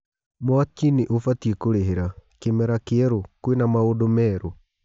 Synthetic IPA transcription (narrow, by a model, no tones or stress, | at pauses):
mwatiniʔofatiekoɾeɦeɾakemɛɾakeɛɾokwenamaodomɛːɾo